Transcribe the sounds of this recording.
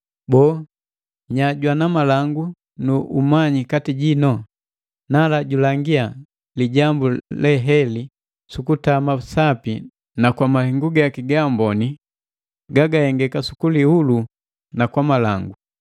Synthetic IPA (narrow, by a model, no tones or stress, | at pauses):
bɔ | ɲaɟwanamalaŋɡu | nuʔumaɲikatiɟinɔ | nalaɟulaŋɡia | liɟambulɛɦɛli | sukutamasapi | nakwamahiŋɡuɡaakiɡambɔni | ɡaɡahɛŋɡɛkasu̥kuliulu | nakwamalaŋɡu